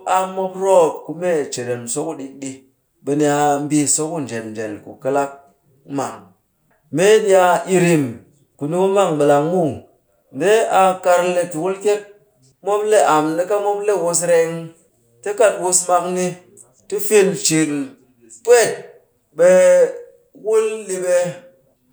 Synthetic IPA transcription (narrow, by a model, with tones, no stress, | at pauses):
a˨mo˦pɾo˦˨p̚ku˧me˦˨t͡ʃe˨ɾe˨nso˦ku˦ɗi˦kɗi˦ | ɓe˧ni˦a˧m̩˦bi˧so˦ku˦n˨d͡ʒe˨mn˨d͡ʒe˨lkṵ˨kɨ˦la˦k̚ | ma̰˨ŋ | me˦ni˦a˧ʔi˧ɾi˧m | ku˨ni˦ku˦ma˦˨ŋɓɨ˨la˨ŋmu˦˨ | n˨de˦a˧ka˧ɾle˨tu˨wu˦lke˦k̚ | mo˦mle˦ʔa˨mni˦ka˦mo˦mle˦˨wu˦˧s̬ɾe˦ŋ | te˦ka˦twu˦sma˧kni˦ | ti˦fi˦nt͡ʃi˨n | pʷe˦˨t̚ | ɓe˦ | wu˦lːi˦ɓe˦